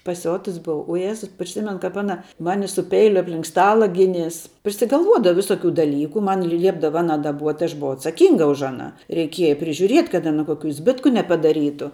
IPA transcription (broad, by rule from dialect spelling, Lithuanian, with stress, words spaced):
pɐˈsʲoːtʊs ˈbʊʋɐ ʊ ˈjæːzʊ pʲrʲɪˈsʲɪmʲɛn ˈkɐp ˈɑːnɐ ˈmɑːnʲɪ sʊ ˈpʲɛɪlʲʊ ɐpʲˈlʲɪŋk ˈstɑːlˠɐ ˈɡʲɪnʲeːs pʲrʲɪsʲɪɡɐlˠˈʋuɔdɐʋɐ ˈʋʲɪsoːkʲʊ dɐˈlʲiːkʊ ˈmɐn ˈlʲiɛbdɐʋɐ ˈɑːnɐ dɐˈbuɔtʲ ɐʃ bʊˈʋɐʊ ɐtsɐˈkʲiːŋɡɐ ʊʃ ɐˈnɑː rʲɛɪˈkʲiɛjɛ pʲrʲɪʒʲʊˈrʲiɛtʲ kɐt ɐˈnɐ ˈkoːkʲuː ˈzʲbʲɪtkʊ nʲɛpɐdɐˈrʲiːtʊ